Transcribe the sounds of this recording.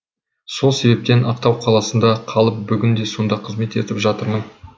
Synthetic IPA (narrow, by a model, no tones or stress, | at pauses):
so̞lˠse̞be̞p̚t̪e̞nɑqt̪ɑwqʰɑlˠɑsənd̪ɑqʰɑlˠəp̚bʏɡʲɪnd̪e̞jso̞nd̪ɑqʰəzme̞t̪e̞t̪ɪpʒɑt̪əɾmən